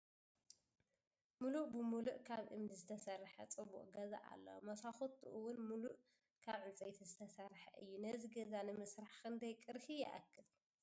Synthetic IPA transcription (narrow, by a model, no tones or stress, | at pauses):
muluʔbɨmuluʔkʰaβʔɨmd̪izɨt̪ʰɐsɐrːħɐt͡sʼɨbːṵʔʼɡɐza̰ʔa̰lːɐ̰wmɐsaxot̪ʰuʔɨwːʊnmuluʔ | kʰaβʕɨnt͡sʼɐjt̪ʰizɨt̪ʰɐsɐrħɐ̰ʔɨ̰jːunɐziɡɐzanɨmɨsɾaħkɨnd̪ɐjkʼɨɾhijɪ̰ʔa̰kːɨl